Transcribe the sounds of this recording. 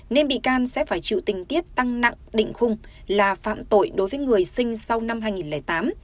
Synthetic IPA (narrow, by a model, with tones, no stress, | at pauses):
ne˧nɓḭ˧˨kaː˧nsɛ̰˧˥faː˧˩jt͡ɕḭ˧˨wt̪ï˨˩ŋ̟t̪i˦˥əp̚t̪a˧ŋna̰˧˨ŋɗḭ̈˧˨ŋ̟xʊ˧ŋ͡mlaː˨˩fa̰ː˧˨mt̪o̰˧˨jɗo˨˦jvəː˨˦jŋɨ˨˩əjsï˧ŋ̟sa˧wna˧mɦaː˧jŋi˨˩nlɛː˨˩t̪aː˨˦m